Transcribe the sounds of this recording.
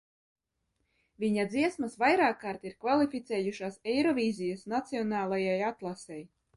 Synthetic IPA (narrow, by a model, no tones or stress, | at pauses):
vʲiɲad̪ziɛsmasvajɾaːkːaːɾt̪iɾkvalˠifʲit̪sɛːjuʃaːsɛjɾɔvʲiːzʲijasnat̪siɔnaːlˠajajat̪lˠasɛj